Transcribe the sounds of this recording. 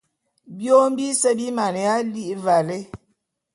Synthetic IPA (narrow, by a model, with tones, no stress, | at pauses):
bjo˦m̩˦bi˦sə˦bi˦ma˨n˨ja˦li˦ʔva˨le˦